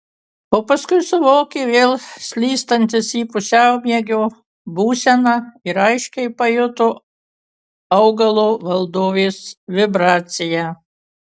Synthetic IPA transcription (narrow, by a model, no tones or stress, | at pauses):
oːpɐskʊɪsʊʋoːkʲeːʋʲeːlˠsʲlʲiːst̪ɐnʲt̪ʲɪsiːpʊsʲɛʊmʲiɛɡʲoː | buːsʲɛnɐɪɾɐɪʃʲkʲɛɪpɐjʊt̪ʊ | ɐʊɡɐlˠoːʋɐlˠd̪oːʋʲeːsʋʲɪbɾɑːt̪sʲɪjæ